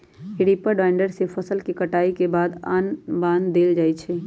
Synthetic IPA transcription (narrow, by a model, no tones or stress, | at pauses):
ɦɪɽiːpəɖaːɪ̃ɳɖəɾsepʰəsəlkikəʈaːikebaːd̪a̰ːnbãːnd̪ːeːld͡ʒaːit͡ʃʰɛː